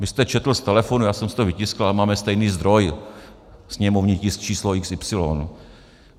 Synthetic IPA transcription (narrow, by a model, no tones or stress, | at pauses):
vɪst̪ɛt͡ʃɛt̪l̩st̪ɛlɛfonujaːsɛmsɪ̥t̪ovɪcɪskl̩amaːmɛst̪ɛjniːzd̪ɾo̞j | sɲɛmovɲɪcɪst͡ʃiːsloɪksɪpsɪlo̰ːnu